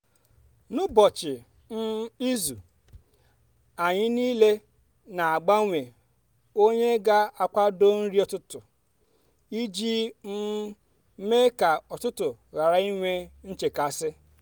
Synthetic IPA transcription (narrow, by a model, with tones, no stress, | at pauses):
nʊ˦bɔ˨t͡ʃɪ˨ | n̩˦i˦zu˨ | a˨ɲɪ˦niː˦le˦ | na˨a˨ɡ͡ba˦ŋʷe˨ | o˦ɲe˦ɡa˦a˨kʷa˦do˦n̩˦ɾi˦ɔ˨tʊ˦tʊ˨ | i˦d͡ʒi˦n̩˦ | me˦ka˨ɔ˨tʊ˦tʊ˨ɣa˨ɾa˨i˦ŋʷe˦n̩˦t͡ʃe˨ka˨sɪ˦